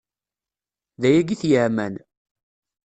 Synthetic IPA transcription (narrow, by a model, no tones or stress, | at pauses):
ðæjæɡiθjəʕmæn